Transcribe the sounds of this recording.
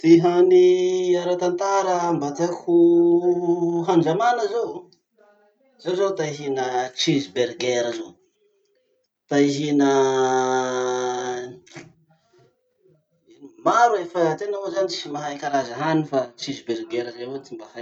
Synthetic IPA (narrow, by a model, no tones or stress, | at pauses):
t̪iɦaniaɾat̪ant̪aɾəmbat̪akʰu | ɦanɳd͡ʒamanəzow | zowzowt̪aiɦinət͡ʃizberɡeɾəzo | t̪aiɦinə | imaɾuefət̪enaozanit͡simaɦajkaɾazəɦanifat͡ʃizbeɾɡeɾəzewet͡simbaha